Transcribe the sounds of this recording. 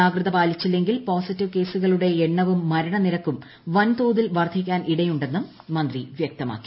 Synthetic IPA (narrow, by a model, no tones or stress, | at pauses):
aːɡrɨðɐbaːlit͡ɕːilːe̞ŋɡilpoːsitːiʋke̞ːsuɣɐɭuɽe̞eɳːɐʋumːɐɾɐɳɐniɾɐkːum | ʋɐnt̪uːðilʋɐrd̪ʰʱik̬ʲːaːnʔiɽɐjuɳɖe̞nːɨ | mɐnd̪riʋjɐk̚t̪ɐma̰ːkːi̥